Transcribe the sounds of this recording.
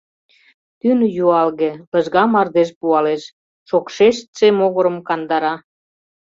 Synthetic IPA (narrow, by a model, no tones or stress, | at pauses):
t̪ynjuɑlɣepə̆ʒɣɑmɑrd̪eʃpuɑleʃ | ʃokʃeʃt̪semoɣə̆ɾə̆mkɑnd̪ɑɾɑ